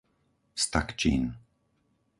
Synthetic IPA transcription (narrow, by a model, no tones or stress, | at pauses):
st̪a̰kt͡ʃḭːn